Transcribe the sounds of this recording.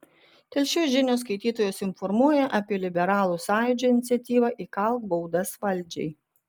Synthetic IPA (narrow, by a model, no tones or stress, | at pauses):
t̪ʲɛlʲʃʲuːʒʲɪnʲoːs̬kɐɪt̪ʲiːt̪oːjoːsɪnfɔɾmuɔjɛʔɐpʲiɛlʲɪbʲɛɾɑːlˠuːsɑːjʊd͡ʒʲoːɪnʲɪt̪sʲɛt̪ʲiːʋɑʔiːkɐˑlˠkbɐʊd̪ɐsʋɐlʲˑd͡ʒʲɛ̰ɪ